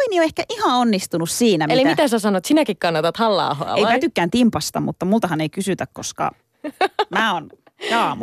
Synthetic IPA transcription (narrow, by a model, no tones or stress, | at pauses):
inioehkæʔihɑ̃onːist̪unussiːnæmeilimit̪æsæsɑnot̪sinækikkɑnːɑt̪ɑt̪hɑlːɑ̰ˑuhoɑ̰ejpæt̪ykːæːnt̪impɑst̪ɑmut̪ːɑmult̪ɑhɑneikysyt̪ækkoskɑ̰ | mæːon | ɑːmu